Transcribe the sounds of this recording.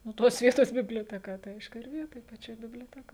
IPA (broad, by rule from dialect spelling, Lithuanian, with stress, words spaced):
nʊ ˈtoːs ˈʋʲiɛtoːs bʲɪbʲlʲoːtʲɛˈkɐ tɐɪ ˈɐɪʃkʊ ˈɪr ˈʋʲiɛtoːj pɐˈt͡ʃʲoːj bʲɪbʲlʲoːˈtʲæːkoːj